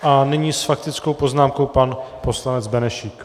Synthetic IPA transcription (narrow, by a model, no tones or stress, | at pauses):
ʔanɪɲiːsfak̚t̪ɪt͡sko̞wpo̞znaːmko̞wpanpo̞slanɛd͡zbɛnɛʃik